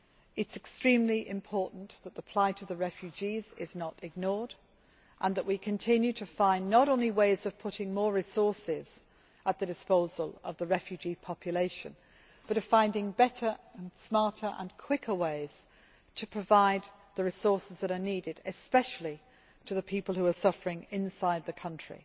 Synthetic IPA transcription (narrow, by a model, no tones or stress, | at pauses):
ɪtsɨkstɹ̥ĩmliʔɪ̰̃mpʰɔɹʔn̩ðət̪̚ðəpʰl̥aɪtʰəðəɹɛfjʉd͡ʒizɪznəɾɪɡ̚nɔɹd | ʔə̃nðəʔwikʰɨ̃ntʰɪ̃njʉɾʰəfãɪ̃nːəɾõʊ̃nliweɪzʌv̥pʰʊɾɪ̃ŋmɔɹɹɪsɔɹsɪz̥ | ʔət̪̚ðɨdɨspoʊzəlˠʌ̰vðəɹɛfjʉd͡ʒipʰɑpʰjəleɪʃə̰̃n | b̥ʌɾʌv̥fãɪ̃ndɪ̃ŋbɛɾə˞ə̃nsmɑɹtə˞ʔə̰̃nkʰw̥ɪkʰə˞weɪz̥ | tʰəpʰɹ̥əvaɪd̪̚ | ðəɹɪsɔɹsɨzðəɾəniɾɪdɪspɛʃl̩ˠi | tʰəðəpʰipəl̩ˠhuə˞sʌfə˞ɪ̃ŋɪ̃nsaɪd̪̚ðɨkʰʌ̃nt͡ʃɹ̥ḭ